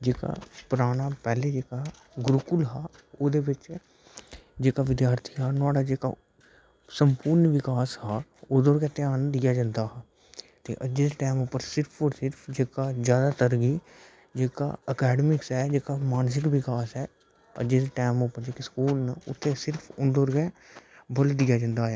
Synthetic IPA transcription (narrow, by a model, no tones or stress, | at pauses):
d͡ʒeːka̰ːpəɾaːɽ̃aːpɛːleːd͡ʒeːkaː | ɡʊɾʊkʊlɦaː | oːd̪eːʋɪt͡ʃ | d͡ʒeːkaʋɪd̪jaːɾt̪ʰiɦaːnʊaːɽaːd͡ʒeːka̰ | səmpʊɾnʋɪkaːshaːoːd̪oːɾkɛt̪eaːnd̪ɪjaːd͡ʒə̃nd̪aːɦaː | t̪ḛːʔəd͡ʒeːd̪eːʈɛːmʊpəɾsɪɾpʰoːɾsɪɾpʰd͡ʒeːkaːzjaːd̪aːt̪əɾɡiː | d͡ʒeːka̰ːəkɛːɖəmɪksɦɛːd͡ʒeːkaːmaːns̬ɪkʋɪkaːsɦɛː | ə̰d͡ʒeːd̪eːʈɛːmopəɾd͡ʒeːkeskuːlnəʊ̰t̪ʰːeːsɪɾpʰʊd̪oːɾɡɛː | bəld̪iːjaːd͡ʒãnd̪aːɦɛː